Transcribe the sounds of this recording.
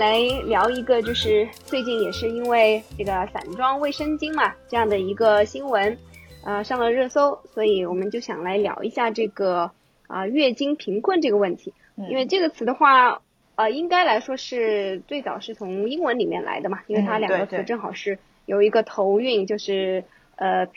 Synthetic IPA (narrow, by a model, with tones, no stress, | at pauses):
la˧˥ɪljɑ˧˥ʊi˧˥ɡə˧t͡ɕjo˥˧ʊʂɻ̩˥˧t͡swe˥˧ɪt͡ɕi˥˩njɛ˨˩ʂɻ̩˥˩i˥nwe˥˩˧ɪʈ͡ʂɤ˥˩ɡə˩sa̰˨˩nʈ͡ʂwɑ˥ŋwe˥˩ɪʂə˥nt͡ɕi˥ŋmɐ˨ʈ͡ʂɤ˥˧jɑ˥˩ŋd̪ə˩i˧˥ɡə˧ɕi˥ŋwə˧˥nə˧ʂɑ˥˧ŋlə˨ɻɤ˥˩so˥ʊswɔ˧˥i˧˥wɔ˨˩mə˦nt͡ɕjo˥˩ʊɕjɑ̰˨˩ŋla˧˥ɪljɑ̰˧˥ʊʔḭ˧˥ɕja˥˧ʈ͡ʂɤ˥˩ɡə˩ | ə˧ɥɛ˥˩t͡ɕi˥ŋpʰi˧˥ŋkʰwə˥˧nʈ͡ʂɤ˥˩ɡə˩wə˥˩nt̪ʰi˧˥ | i˥nwe˥˧ɪʈ͡ʂɤ˥˩ɡə˩t͡sʰɹ̩˧˩d̪ə˧xwa˥˩ | ə˧i˥ŋka˥ɪla˧˥ɪʂwɔ˥ʂɻ̩˥˧t͡swe˥˩ɪt͡sɑ˨˩ʊʂɻ̩˥˩t͡sʰʊ˧˥ŋi˥ŋwə˧˥nli˨˩mjɛ̰˥˩nlʔa̰˧˥ɪd̪ə˧mɐ˩i˥nwe˥˩ɪt̪ʰa˥ljɑ˨˧˥ŋ˧ɡə˧˥t͡sʰɹ̩˧˥ʈ͡ʂɤ˥˩ŋxɑ˨˩ʊʂɻ̩˥˩ | jo˨˩ʊi˧˥ɡə˧t̪ʰo˧˥ʊy˥˧nt͡ɕjo˥˧ʊʂɻ̩˥˩ | ə˧